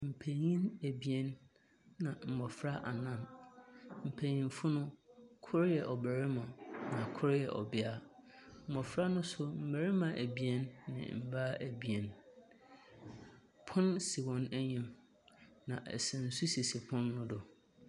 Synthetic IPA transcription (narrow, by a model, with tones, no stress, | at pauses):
m̩˨pʰæ˨ɲĩ˦næ˨bi˨ɛ˦nː | ã˨m̩˨mɔ˨fɾa˦ʔa˨nã˦˨n | m̩˨pʰæ˨ɲĩ˨nfʊ˦nʊ̃˦kʰʊ˦ɾjɛ˨ʔɔ˨bæ˨ɾɪ˦mã˨nã˨kʰʊ˦ɾjɛ˨ʔɔ̰˨bɪ˦a˦ | m̩˨mɔ˨fɾa˦nʊ̃˦sʊ˦m̩˨bæ˨ɾɪ˦mã˨ʔæ˨bi˨ɛ˦nːɪ̰̃˨m̩˨baː˦ʔæ˨bi˨ɛ˨n | pʰʊ̃˦nsi˨wɔ̃˨næ˦ɲɪ̃˨m | nã˨ʔɛ̰˨sɪ̃˨n̩˨su˦si˨si˨pʰʊ̃˦nːʊ̃˦dʊ˨